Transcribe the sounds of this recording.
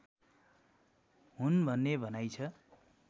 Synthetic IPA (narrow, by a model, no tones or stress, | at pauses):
ɦunbʱʌnːebʱʌnajt͡sʰʌ